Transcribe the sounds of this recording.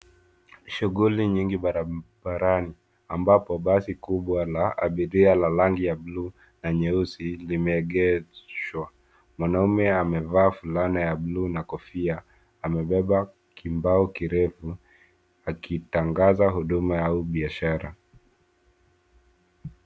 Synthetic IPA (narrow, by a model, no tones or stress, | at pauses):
ʃuɣuliɲiŋɡiɓaɾaɓaɾani | ambapɔɓasikuɓwalaa̰ɓiɾialalaŋɡijablu | naɲɛusilimɛːɠɛzwa | mwanaumɛamɛvaːfulanajablunakɔfiaː | mɛɓɛɓa | kʰimbaɔkiɾɛfu | akitaŋɡazaɦuɗumajauɓiaʃaɾa̰